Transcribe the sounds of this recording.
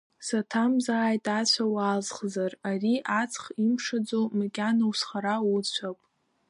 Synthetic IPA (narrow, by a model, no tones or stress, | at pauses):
satʰamzaːjtʼat͡ɕʷʰawaːzχzarariʔat͡sʰʼχimʂad͡zowmakʲʼanawsχaɾawut͡ɕʷʰapʼ